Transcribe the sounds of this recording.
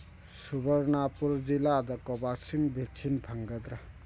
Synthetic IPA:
subɐɾnapuɾzilad̪ɐkɔbasiŋbik̚t͡ʃʰinpʰɐŋɡɐd̪ɾɐ

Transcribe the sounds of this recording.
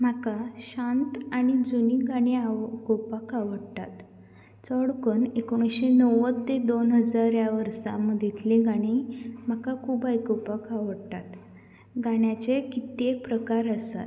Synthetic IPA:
m̤akaɕãnt̪aɽ̃id͡zuniɡaɽ̃iakopəkaʋəɽt̪a̰t̪ | t͡sɔɽkənekoɽ̃ũɕenəwət̪ːed̪onɦəd͡zaɾjaʋəɾsa̰məd̪ʱit̪liɡaɽ̃im̤akakʰuːbajkɔpəkaʋəɽt̪at̪ | ɡaɽjat͡ɕekit̪epɾəkaɾəsa̰t̪

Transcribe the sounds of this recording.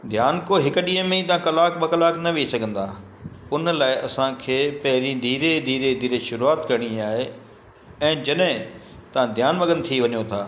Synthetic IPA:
d̪ʱjaːnkoɦɪkʊ̆ɗĩɦə̃mẽĩt̪ɐãkɐlaːkbɐkɐlaːknɐʋesɐɡʱə̃nd̪aː | ʊnəlaːɪʔɐsãkʰeːpɐɦɪɾĩd̪ʱiːɾed̪ʱiːɾed̪ʱiːɾeʃʊɾuaːt̪kɐɾɽ̃ĩaːɦe | ɛ̃ːd͡ʑɐɗɦɪ̃ | t̪ɐʋ̤ãd̪ʱjaːnʋɐɡə̃nt̪ʰiʋɐɲot̪ʰaː

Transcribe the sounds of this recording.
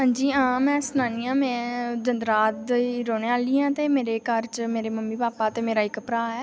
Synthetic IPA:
ɦãːɲd͡ʒiːãːmɛ̃ːsnaːniːãːmɛ̃ːd͡ʒənd̪ɾaːt̪ːɾoːɽeaːliːãːt̪eːmeːɾeːkəɾt͡ʃmeːɾeːməmːiːpaːpaːt̪eːmeːɾaːɪkpɾaːɛː

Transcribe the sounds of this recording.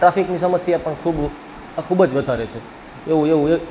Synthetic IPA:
ʈɾafiknisəməsjapəɳkʰub | kʰubəd͡ʒʋəd̪ʱaɾet͡ʃʰe | eũeʋũe

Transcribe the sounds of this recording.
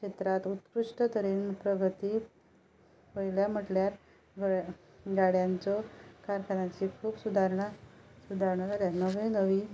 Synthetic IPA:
kʂet̪ɾat̪ut̪kɾuʂʈət̪əɾiːnpɾəɡʱət̪iː | pəjljam̤əʈljaɾ | ɡ | ɡaɽjant͡sɔkaɾkʰanat͡ɕikʰuːbsud̪ʱaɾɳasud̪ʱaɾɳad͡zaljanəʋenəʋiː

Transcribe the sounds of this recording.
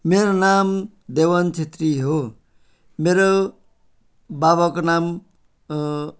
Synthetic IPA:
meɾonam | d̪ewʌnt͡ʃʰet̪ɾiɦo | meɾo | babakonam

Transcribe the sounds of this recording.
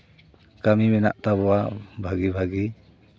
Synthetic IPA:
kamimɛna̰ʔt̪abɔwabʱaɡibʱaɡi

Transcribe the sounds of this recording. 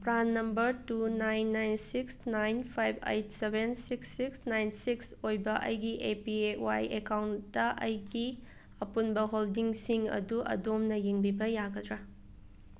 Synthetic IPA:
pɾanːɐmbɐɾtunajnːajnsiksnajnpʰajbʱḛjt̚sebʱensiksːiksnajnsiksojbɐʔɐ̰jɡiʔepiewajekawnːɐʔɐjɡi | ɐpunbɐɦoldiŋsiŋɐ̰duʔɐ̰domnɐjiŋbibɐjaɡɐdɾa

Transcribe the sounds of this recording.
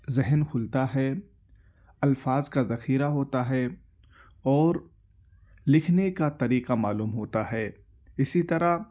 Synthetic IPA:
zɪɦənkʰʊlt̪aɦɛ | ɐlfaːzkazɐxiːɾaɦoːt̪aɦɛ | ɔːɾ | lɪkʰnekat̪ɐɾiːqamaːluːmɦoːt̪aɦɛː | ɪsit̪ɐɾa

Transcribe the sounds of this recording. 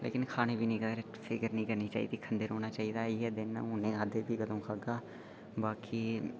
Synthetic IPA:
lḛːkɪnkʰaːneːbʱiːnĩːkəɾefʰɪɡəɾnĩːkəɾniːt͡ʃa̰ːḭːd̪iːkʰənd̪eːɾɦoːnaːt͡ʃaːiːd̪aːɪɦɛːd̪ɪnʊnẽːaːd̪eːbʱiːkəd̪õːkʰaːɡaː | baːkʰiː

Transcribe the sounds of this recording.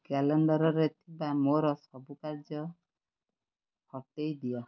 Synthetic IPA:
kalɔɳɖɔɾɔɾet̪ʰibamoɾɔsɔbukaɾd͡ʒɔ | hɔʈejd̪ijɔ

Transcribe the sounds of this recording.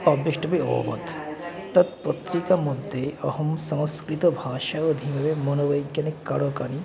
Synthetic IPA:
pɐbɾiʃʈɐbeo̰ːʋɐ̰t̪t̪ɐt̪̚pɐt̪ɾikɐmud̪ːeɐɦɐmsɐmɐskɾit̪ɐbʱaːʃɐɐd̪ʱimɐʋemɐnɐʋɐjkjɐnikːɐɽokɐni

